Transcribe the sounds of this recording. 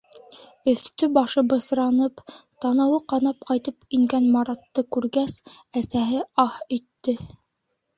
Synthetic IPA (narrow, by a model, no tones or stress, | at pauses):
ɵ̆θt̪ɵbɑʃɤbɤ̆sɾɑnɤpt̪ɑnɑ̆wɤqɑnɑp̚qɑjt̪ɤpiŋɡænmɑɾɑt̪ːɤkʉɾɡæsæsæɦɘɑhit̪ːɘ